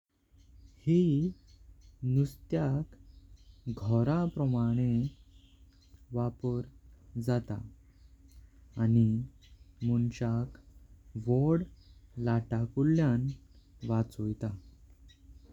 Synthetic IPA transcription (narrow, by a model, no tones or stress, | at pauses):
hi | nust̪jak | ɡʱɔɾapɾəmaɽ̃e | ʋapəɾd͡zat̪a̰ | ni | munt͡ɕakʋɔɽlaʈakulːjanʋat͡sojt̪a